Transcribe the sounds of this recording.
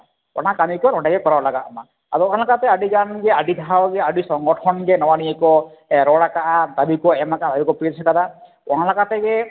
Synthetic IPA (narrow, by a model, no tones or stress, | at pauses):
ɔ̰ɽ̃akanikɔnɔʈaɡekɔɾawalaɡaʔma̰ | ad̪ɔɔɽlakat̪eaɖiɡanɡeaɖid̪ʱaawɡeaɖisɔŋɡɔʈʰɔnɡenɔwaniekɔ | ɾɔɽakaʔat̪abikɔemakat̪abikɔpesʰɛkad̪a | ɔɽ̃alakat̪eɡe